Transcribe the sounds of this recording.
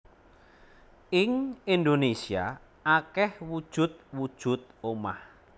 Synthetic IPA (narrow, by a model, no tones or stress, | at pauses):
ɪŋind̪onesia̰ | akɛhwud̥ʒ̥ʊ̤t̪̚wud̥ʒ̥ʊ̤t̪̚oma̰h